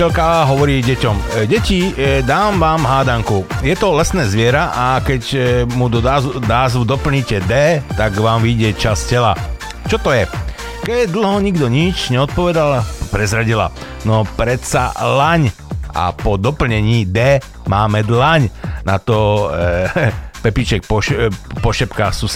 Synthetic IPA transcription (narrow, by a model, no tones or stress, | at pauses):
ɛlkaɦɔʋɔɾiːɟɛcɔmɟɛcid̪aːmʋaːmɦaːd̪aŋkujɛt̪ɔlɛsnɛːzʋɪɛɾaʔakɛɟmuaːzʋud̪ɔpl̩ɲicɛd̪ɛːt̪aɡʋaːmʋiɟɛt͡ʃascɛla̰ | t͡ʃɔt̪ɔjɛ | kɛd̪l̩ˠɦɔɲiɡd̪ɔɲit͡ʃɲɛɔt̪̚pɔʋɛd̪alpɾɛzɾaɟila̰ | nɔpɾɛt̪sa̰laɲ | a̰pɔd̪ɔpl̩ɲɛɲiːd̪ɛː | maːmɛd̪laɲnat̪ɔ | pɛpit͡ʃɛk̚pɔpɔʃɛpkaxsus